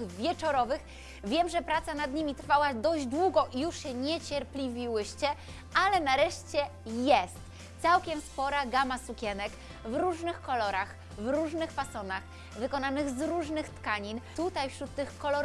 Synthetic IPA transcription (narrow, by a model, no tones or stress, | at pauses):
vʲjɛt͡ʂɔɾɔvɘx | vʲjɛmʐɛpɾat̪sanad̪ɲimʲit̪ɾfawad̪ɔʑd͡ʑd̪wuɡɔʔijuʂɕɛɲɛt͡ɕɛɾplʲivʲiwɘɕt͡ɕɛ | alɛnaɾɛʂt͡ɕɛjɛst̪ | t̪sawkʲɛmspɔɾaɡamasukʲɛnɛk | vɾuʐnɘxkɔlɔɾax | vɾuʐnɘxfasɔnax | vɘkɔnanɘɣzɾuʐnɘxt̪kaɲint̪ut̪ajfɕɾut̪ːɘxkɔlɔɾ